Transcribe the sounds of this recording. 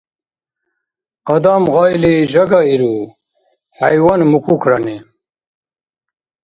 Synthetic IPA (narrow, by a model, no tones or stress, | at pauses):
ɐd̪amʁɑjliʑɐɡaiɾu | hɐjwanmukukʰɾɐne